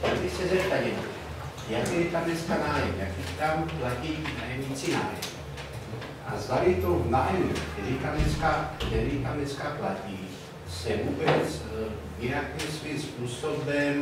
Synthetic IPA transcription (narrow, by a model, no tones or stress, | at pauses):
t̪aɡdɪsɛzɛp̚t̪ajɛnɛ | jakɛjɛt̪amnɛt͡skanaːjɛmjakit̪amplaciːnajɛmɲit͡sina̰ːjɛ̰m | ʔazd̪alit̪ownaːjɛmukt̪ɛɾit̪amnɛt͡skakt̪ɛɾit̪amnɛt͡skaplaciː | sɛvuːbɛt͡s | jɪnakimsʋiːmspuːsobɛm